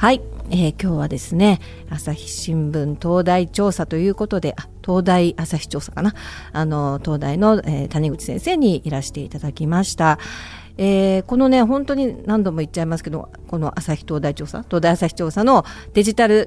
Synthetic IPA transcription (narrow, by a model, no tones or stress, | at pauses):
haieːkʲo̞ːβad̪e̞sɨne̞ | asaçʲi̥ɕĩmbɯ̟̃nt̪o̞ːd̪ait͡ɕo̞ːsat̪o̞jɯ̟ːko̞t̪o̞d̪e̞ʔat̪o̞ːd̪aiʔasaçʲi̥t͡ɕo̞ːsḁkana | ano̞t̪o̞ːd̪aino̞et̪aɲ̟iɡɯ̟t͡ɕi̥sẽ̞se̞ːɲ̟iiɾaɕi̥t̪e̞ḭt̪ad̪akʲimaɕi̥t̪a | e̞ːko̞no̞ne̞ɦõ̞nt̪o̞ɲ̟inãnd̪o̞moit͡ɕːaimasɨ̥ke̞d̪o̞̰ | ko̞no̞ʔasaçʲi̥t̪o̞ːd̪ait͡ɕo̞ːsa̰t̪o̞ːd̪aiasaçi̥t͡ɕo̞ːsano̞ | d̪̥e̞ʑit̪aɾɯ̟